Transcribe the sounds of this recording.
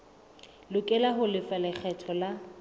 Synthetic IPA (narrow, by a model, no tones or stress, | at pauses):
lʊkʼɛlaɦʊlɪfalɪk͡xʰɛtʰɔla